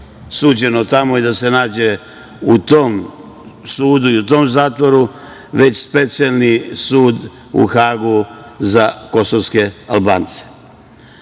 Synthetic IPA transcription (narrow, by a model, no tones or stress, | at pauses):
suːd͡ʑe̞not̪amoed̪ase̞naːd͡ʑe̞ | ut̪o̞ːm | suːd̪uiut̪o̞ːmzaːt̪ʋo̞ɾu | ʋe̞t͡ɕspe̞t̪sijalnisuːd̪ | ṵxaːɡuzako̞soʋske̞alˠba̰ːnt̪se̥